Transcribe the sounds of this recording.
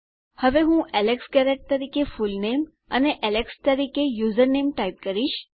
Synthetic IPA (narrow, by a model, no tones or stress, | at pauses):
həʋeɦũʔɛleksɡɛɾeʈ̚t̪əɾikefulnem | əneʔɛlekst̪əɾikejuzəɾnemʈaip̚kəɾiʃ